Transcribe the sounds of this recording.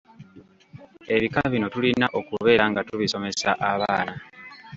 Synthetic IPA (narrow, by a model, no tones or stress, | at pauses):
e̞βikaβino̞tulinaʔo̞kuβe̞ːɾaŋɡatuβiso̞me̞saʔaβaːna